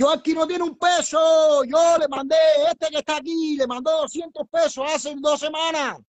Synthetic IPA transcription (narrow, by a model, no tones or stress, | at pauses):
joakinot̪jeneumpesoʝolemãnd̪eet̪ekeht̪aːk̬ilemãnd̪osjent̪opesoased̪osemãna